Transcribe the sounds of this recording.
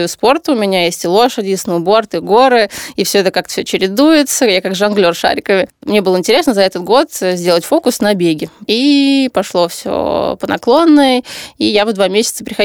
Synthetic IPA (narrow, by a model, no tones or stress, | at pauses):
juspo̞rt̪əʊmʲɪnʲajesʲtʲɪlˠo̞ʂɨdʲɪsnəʊbo̞rt̪ɨɡo̞ɾɨifsʲoɛt̪əkakt̪fsʲot͡ɕɪɾʲɪd̪ujɪt̪səjakaɡʐɐnɡlʲo̞rʂa̰ɾʲɪkəvʲɪmnʲe̞bɨlˠəɪnʲtʲɪɾʲe̞snəzɐɛt̪ət̪ɡo̞t̪zʲdʲe̞lˠətʲfo̞kʊsnɐbʲeɡʲɪipɐʂlˠo̞fsʲo̰pənɐ̰klˠo̞nːəjəijavd̪vamʲesʲɪt̪səpɾʲɪxɐ